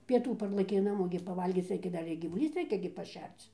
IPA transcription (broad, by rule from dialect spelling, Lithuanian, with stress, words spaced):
pʲiɛˈtuː ˈpɐrlˠɘkʲɛɪ ˈnɑːmoː ɡʲɪ pɐˈʋɐlʲɡʲiːt͡s ˈrʲɛɪkʲɛ ˈdɐr ɪr ɡʲiːʋʊˈlʲiːs ˈrʲɛɪkʲɛ ɡʲɪ pɐˈʃʲɛrt͡s